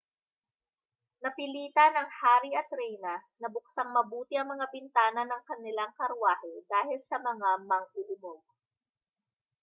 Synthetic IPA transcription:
nɐpɪliːt̪ɐnɐŋhaːɾiɐt̪ɾɛjnɐnɐbʊk̚saŋmɐbuːt̪ɪʔɐŋmɐŋabɪnt̪aːnɐnɐŋkɐnɪlaŋkɐɾwaːhɛd̪aːhɪlsɐmɐŋamɐŋʔʊlɪmo

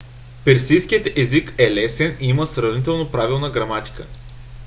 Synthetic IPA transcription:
pɛɾsijsk̟ijət̪ɛzikɛlɛsɛniiməsɾɐvnit̪ɛlˠnopɾavilˠnəɡɾɐmat̪i̥kə̰

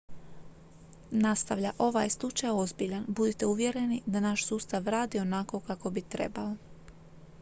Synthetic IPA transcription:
nast̪aʋʎaʔo̞ʋajslˠut͡ʃajo̞zbiʎanbud̪it̪e̞uʋje̞ɾe̞nid̪anaʃsuːst̪aʋɾaːd̪io̞nako̞kako̞bit̪ɾḛbalo

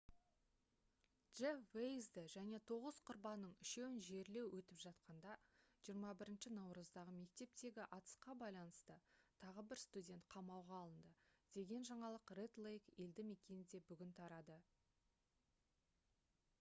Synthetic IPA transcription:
dʒ̥evejzd̪ɪʒæne̞t̪ʰo̞ʁəzqʰʊɾbɑnːəɴɪʃe̞wɪnʒe̞ɾle̞wʔɵt̪ɪpʒɑt̪qɑnd̪ɑʒ̥ijəɾmɑbɪɾɪnʃɪnɑwɾəzd̪ɑʁəme̞k̚t̪e̞p̚t̪e̞ɡʲɪʔɑt̪ə̥sqɑbɑjlˠɑnəst̪ət̪ʰɑʁəbɪɾst̪udʲe̞nt̪̚qʰɑmɑwʁɑːlˠənd̪əd̪̥e̞ɡʲe̞nʒɑɴɑlˠəqret̪lˠejke̞ld̪ɪme̞kʲe̞nɪd̪e̞bʏɡʲɪnt̪ʰɑɾɑd̪ə

